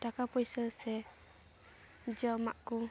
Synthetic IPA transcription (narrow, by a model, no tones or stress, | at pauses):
t̪akapɔjsəsɛ | d͡ʒɔma̰ʔku